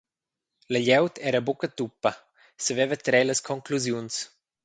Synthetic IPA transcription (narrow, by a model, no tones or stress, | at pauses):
ləʎɛwt̪ʰɛɾəbukət̪upːɐ | səvɛvət̪ɾɛləskʰɔŋkluzjuns